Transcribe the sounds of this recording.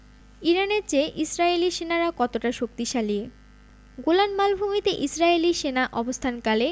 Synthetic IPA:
iɾaneɾt͡ɕeʔisɾaeliʃenaɾakɔt̪oʈaʃok̚t̪iʃalie | ɡolanmalbʱumit̪eʔisɾaeliʃenaʔɔbost̪ʰankale

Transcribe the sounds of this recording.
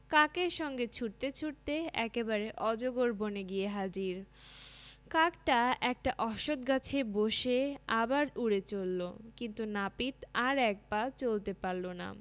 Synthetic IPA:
kakeɾʃɔŋɡet͡ɕʰuʈt̪et͡ɕʰuʈ̚t̪eɛ̰kebaɾeʔɔd͡ʑoɡoɾboneɡijeɦad͡ʑiɾ | kakʈaɛk̚ʈaʔɔʃod̪ɡat͡ɕʰeboʃeabaɾuɽet͡ɕolːokint̪unapit̪aɾɛk̚bat͡ɕolt̪epaɾlona̰

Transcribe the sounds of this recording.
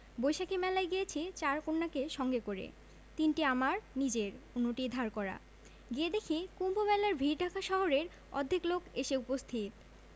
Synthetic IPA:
bojʃakʰemɛlaeɡijet͡ɕʰet͡ɕaɾkoɾnakeʃɔŋɡekoɾḛ | t̪inʈiamaɾnid͡ʑeɾunːoʈid̪ʱaɾkɔɾa̰ | ɡied̪ekʰekumbʱomɛlaɾbʱiɾʈakʰaʃɔɦoɾeɾ | ɔ̰d̪ʱːiklokʰeʃeupost̪ʰit̪

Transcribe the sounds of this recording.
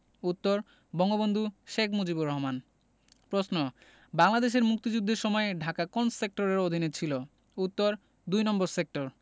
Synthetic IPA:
ut̪ːoɾ | bɔŋɡobond̪ʱuʃekʰmod͡ʑibuɾɔɦman | pɾosno | baŋlad̪eʃ̬eɾmuk̚t̪id͡ʑud̪ʱːeɾʃɔmɔeɖʱakakonssek̚ʈoɾeɾod̪ʱinet͡ɕʰilo | ut̪ːoɾ | d̪ujnɔmboɾsek̚ʈoɾ

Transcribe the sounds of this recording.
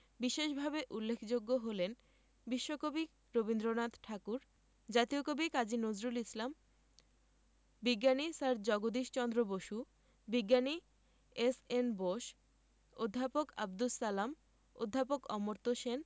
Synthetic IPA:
biʃeʃbʱabeʔulːekʰd͡ʑoɡːoɦolen | biʃːokobik | ɾobind̪ɾonat̪ʈʰakuɾ | d͡ʑat̪iokobikad͡ʑinozɾulislam | biɡːanisaɾd͡ʑɔɡod̪iʃt͡ɕɔnd̪ɾoboʃu | biɡːani | esenboʃ | od̪ʱːapoka̰b̚d̪usalam | o̰d̪ʱːapokɔ̰moɾt̪oʃen

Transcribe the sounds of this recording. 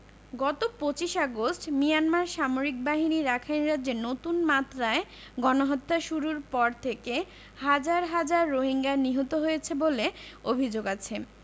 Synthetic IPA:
ɡɔt̪opot͡ɕiʃaɡosʈmijanmaɾʃamoɾik̚baɦiniɾakʰajnɾadd͡ʑenot̪unmat̪ːɾae | ɡɔnoɦɔt̪ːaʃuɾuɾpɔɾt̪ʰeke | had͡ʑaɾɦad͡ʑaɾːoɦiŋɡaniɦot̪oɦojet͡ɕʰeboleobʱid͡ʑoɡat͡ɕʰe

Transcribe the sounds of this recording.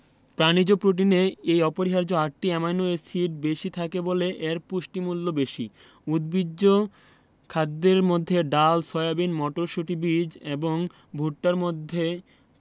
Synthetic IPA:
pɾanid͡ʑopɾoʈ̬ineejɔpoɾiɦaɾd͡ʑoaʈʈiɛmajnoesiʈ̚beʃit̪ʰakeboleʔeɾpuʃʈimulːobeʃḭ | ud̪bidːo | kʰad̪ːeɾmod̪ʱːeɖalsɔeabinmɔʈoɾʃuʈibid͡ʑeboŋ | bʱuʈ̚ʈaɾmod̪ʱːe

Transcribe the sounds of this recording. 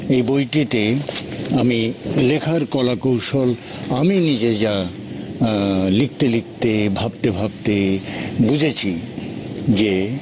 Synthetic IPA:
ejbojʈit̪e | amilekʰaɾkɔlakowʃol | aminid͡ʑed͡ʑa | lik̚t̪elik̚t̪ebʱab̚t̪ebʱab̚t̪ebud͡ʑʱet͡ɕʰi | d͡ʑe

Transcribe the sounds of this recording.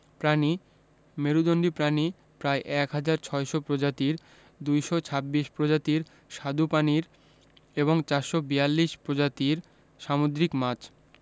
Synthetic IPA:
pɾani | meɾud̪onɖipɾani | pɾaeʔɛkɦad͡ʑaɾt͡ɕʰɔeʃopɾod͡ʑat̪iɾ | d̪ujʃɔt͡ɕʰabːiʃpɾod͡ʑat̪iɾ | ʃad̪upaniɾ | eβoŋt͡ɕaɾʃobijalːiʃpɾod͡ʑat̪iɾ | ʃamod̪ɾikmat͡ɕ

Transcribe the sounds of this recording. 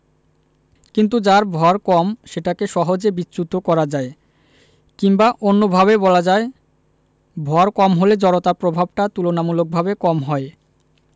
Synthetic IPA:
kint̪̬ud͡ʑaɾbʱɔaɾkɔmʃeʈakeʃɔɦod͡ʑebit͡ɕːɕut̪okɔɾad͡ʑae | kiŋbaʔonːobʱaβebɔlad͡ʑae | bʱɔaɾkɔmɦoled͡ʑɔɾot̪apɾobʱab̚ʈat̪ulonamulok̚bʱabekɔmɦɔe

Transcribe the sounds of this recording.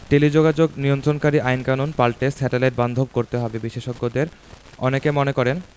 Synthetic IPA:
ɖilid͡ʑoɡad͡ʑoɡnijont̪ɾonkaɾiʔajnkanonpalʈesɛʈeleɾ̚band̪ʱob̚koɾt̪eɦɔbebiʃeʃoɡːod̪eɾ | ɔ̰nekemonekɔɾen

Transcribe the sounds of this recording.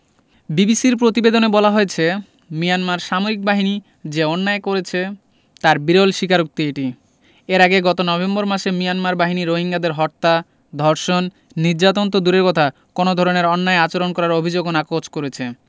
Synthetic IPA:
bibisiɾpɾot̪ibed̪onebɔlaɦoet͡ɕʰe | mijanmaɾʃamoɾik̚baɦini | d͡ʑeɔnːaekoɾet͡ɕʰe | t̪aɾbiɾolʃikaɾok̚t̪ieʈi | eɾaɡeɡɔt̪onɔbemboɾmaʃemijanmaɾbaɦiniɾoɦiŋɡad̪eɾɦɔɾt̪a | d̪ʱɔɾʃonː | iɾd͡ʑat̪ont̪̬od̪uɾeɾkɔt̪ʰa | konod̪ʱɔɾoneɾɔnːaeat͡ɕoɾonkɔɾaɾobʱid͡ʑoɡonakot͡ɕkoɾet͡ɕʰe

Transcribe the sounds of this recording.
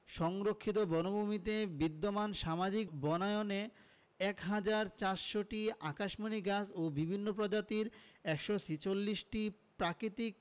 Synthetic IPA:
ʃɔŋɾokʰːit̪̬obɔnobumit̪ebid̪ːomanʃamad͡ʑikbɔnaeone | ɛkɦad͡ʑaɾt͡ɕaɾʃoʈiakaʃmoniɡasobibʱinːop̬ɾod͡ʑat̪iɾɛkʃosit͡ɕolːiʃʈipɾakɾit̪ik̚

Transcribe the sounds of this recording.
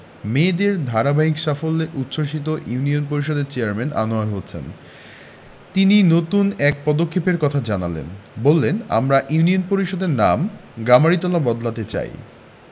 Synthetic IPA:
med̪eɾd̪ʱaɾabaɦikʃafolːeʔut̪ːʃoʃ̬it̪oʔjuunionpoɾiʃod̪eɾt͡ɕeaɾmɛnʔa̰noaɾɦot͡ɕʰḛn | t̪ininot̪unɛk̚pɔd̪okʰːepeɾkɔt̪ʰad͡ʑanalḛnbolːena̰mɾaʔjunionpoɾiʃod̪eɾnamɡamaɽit̪ɔlabɔd̪lat̪et͡ɕa̰j̰

